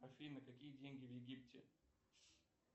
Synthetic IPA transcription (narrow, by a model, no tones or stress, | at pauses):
ɐfʲinɨkɐkʲijədʲenʲɡʲɪvjɪɡʲiptʲɪ̰